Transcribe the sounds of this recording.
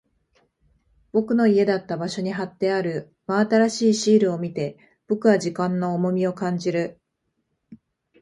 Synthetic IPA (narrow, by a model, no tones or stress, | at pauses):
b̥o̞kɯ̟no̞ie̞d̪at̪ːabaɕo̞ɲ̟iɦat̪ːe̞aɾɯ̟ | maːt̪aɾaɕiːɕiːɾɯ̟o̞mʲit̪e̞ | b̥o̞kɯ̟βaʑikãnːo̞ːmo̞mʲio̞kãɲ̟d͡ʑiɾɯ̟